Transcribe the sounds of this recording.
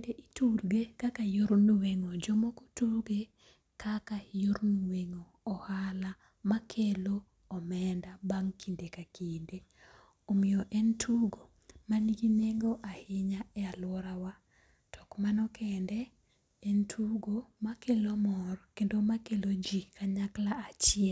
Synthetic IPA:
deʔitulɡekakajoɾnuweŋod͡ʒɔmokotulɡe | kʰakajoɾnuweŋoːhala | makʰeloː | mɛndabaŋkʰindekakinde | omɪjoʔɛntʰuɡo | maniɡineɡoʔahɪɲaɛalwɔɾawa | tʰɔ̥kmanɔkʰɛndɛː | ntʰuɡomakelomɔrkendomakelod͡ʒikaɲaklaat͡ʃɪ

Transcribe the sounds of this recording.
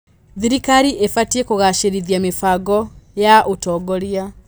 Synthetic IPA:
ðiɾikaɾiʔefatiekoɣaʃeɾiðiamefaɡɔjaʔotɔːɡɔɾia

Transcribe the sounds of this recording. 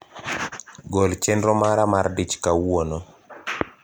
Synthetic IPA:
ɡolt͡ʃɛndɾɔmaɾamardit͡ʃkawono

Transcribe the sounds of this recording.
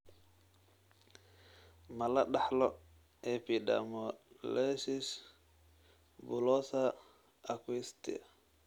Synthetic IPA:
malaɗaħlɔ | ɛpida̰mɔlɛsis | bulɔsaː | kwist̪ḭa̰

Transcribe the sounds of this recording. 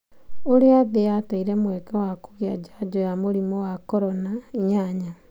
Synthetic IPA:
oɾeaðejataiɾɛmwɛkɛwaku̥ɣiad͡ʒad͡ʑɔjamoɾimɔwakɔɾɔnaiɲaɲa

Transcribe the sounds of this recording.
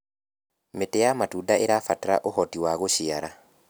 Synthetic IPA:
metejamatudaʔeɾafataɾa̰ʔohɔtiwaɣoɕiaɾa

